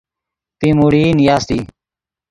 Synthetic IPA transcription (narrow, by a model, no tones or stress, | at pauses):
t̪iːmuɽiːnɪjaːst̪ḭː